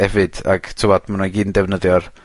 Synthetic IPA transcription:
ɛvɨd̥a̰ɡ̥tʰɪvɔd̥manɔɡiːndɛvnəðjɔr

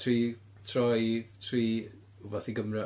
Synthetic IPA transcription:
tʰriː | tʰrɔjtʰriː | ubɔθiɡəmrɛ

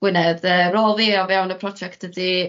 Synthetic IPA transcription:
ɡ̥wɪnɛðəroːlˠðiɔvjawnəpʰrɔd͡ʒɛk̚td̥ədi

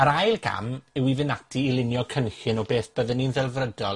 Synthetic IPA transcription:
aɾajlˠɡa̰mɪwivɪnatʰiːlˠɪnjɔkʰənɬɪnɔbeːθd̥əðəninðɛlˠvrədɔl

